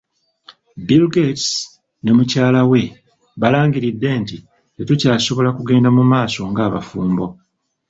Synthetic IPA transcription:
bilɡets | ne̞mucaːlawe̞ | βalaːŋɡiɾidːe̞ːnti | tetucaːso̞βo̞lakuɡe̞ːndamumaːso̞ŋɡaːβa̰fuːmbo̞

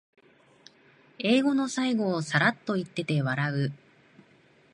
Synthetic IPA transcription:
e̞ːɡo̞no̞saiɡo̞ːsaɾat̪ːo̞it̪ːe̞t̪e̞βaɾaɯ̟

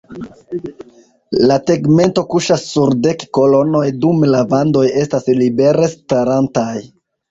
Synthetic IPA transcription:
late̞ɡme̞nto̞kuʃasːuɾde̞kko̞lo̞no̞jdumlavando̞je̞staslibe̞ɾe̞staɾantaj

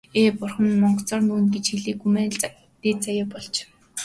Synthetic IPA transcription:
eːpʊrχə̆nmɔɴɢɞ̆ɬt͡sɔːrnuːnɡet͡ɕxiɮiːkxumæːɮ | t̪eːt͡sajaːpɔɮt͡ɕ

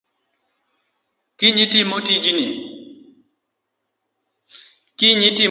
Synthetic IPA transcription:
kiɲitimotid͡ʒinḭ | kiɲiti

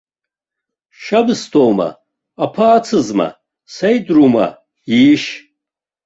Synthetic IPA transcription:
ʃabɨstʰʼowma̰ː | pʰaːt͡sʰɨzma̰ | sajdruma̰ | iːʃ

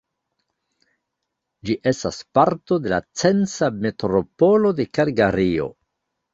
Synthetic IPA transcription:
d͡ʒiʔe̞staspaɾtode̞la̰t͡se̞nt͡same̞tɾo̞po̞lo̞de̞kaɾɡaɾio̞̰

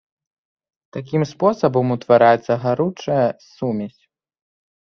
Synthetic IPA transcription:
t̪akʲimspɔsɐbɐmut̪vaɾajɛt̪sːɐɣaɾut͡ʂɐjɐsumʲɐsʲ

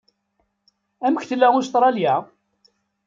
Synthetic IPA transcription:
æməçθəlːæʊst̪ˤɾˤɑljæ

